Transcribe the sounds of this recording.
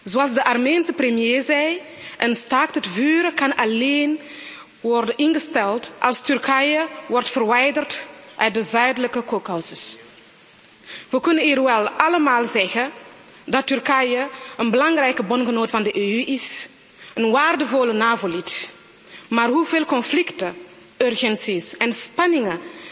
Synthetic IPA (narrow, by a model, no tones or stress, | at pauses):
zoɑlˠsdəʔarmeːnsəprəmjeːzɛj | ʔənstaːk̚tətvyːɾəkɑnaleːn | ʋɔrdənɪnɣəstɛltʔɑ̰lˠstyrkɛjəʋɔrtfərʋɛjdərtʔœɥt̚dəzœɥdələkəkokawsəs | ʋəkʏnəniːrʋɛlʔɑləmaːlˠzɛxə | dɑtːyrkajəʔənbəlɑŋrɛjkəbɔnxənoːtəfɑndəʔeːyʔɪs | ənwaːrdəvolənaːvolit | maːrɦuveːlkɔnflɪktə | ʔørɣɛnsisɛnspɑnɪŋə